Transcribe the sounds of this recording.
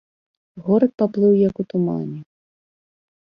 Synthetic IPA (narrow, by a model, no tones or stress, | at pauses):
ɣɔɾɐt̪̚paplˠɨwjɐkut̪uma̰nʲi